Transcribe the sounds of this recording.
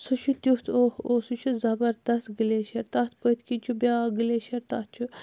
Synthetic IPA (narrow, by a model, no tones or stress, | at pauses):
sut͡ʃʰut̪ʲjut̪ʰoosut͡ʃʰuzɐbɐɾd̪ɐst̪ɡɨleːʃɐɾt̪ɐt̪ʰpət̪ʰkit͡ʃʰubʲaːɡɨleːʃɐɾt̪ɐt̪̚t͡ʃʰu